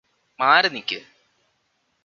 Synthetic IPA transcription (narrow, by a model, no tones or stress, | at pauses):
maːɾɐnikʲːɨ